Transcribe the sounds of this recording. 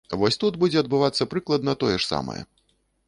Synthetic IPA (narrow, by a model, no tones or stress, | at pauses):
vɔsʲt̪ud̪bud͡zʲɛɐd̪bɨvat̪sːɐpɾɨklˠɐd̪nɐt̪ɔjɛʂsa̰mɐ̰jɛ̰